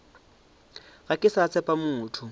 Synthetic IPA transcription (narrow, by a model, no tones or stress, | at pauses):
ɣakʼɪsat͡sʰɛpʼamuːtʰʊ